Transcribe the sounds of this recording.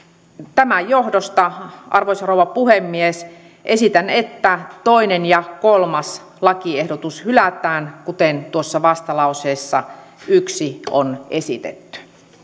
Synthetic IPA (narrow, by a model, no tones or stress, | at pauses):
t̪æmæjohdost̪ɑʔɑrʋoisɑrouwʋɑpuhemːies | ʔesit̪ænet̪ːæt̪oinenjɑkolmɑs | lɑkiehdot̪ushylæt̪æːnkut̪ent̪uosːɑʋɑst̪ɑlɑuseːsːɑyksio̰nesḭt̪ḛt̪ːy̥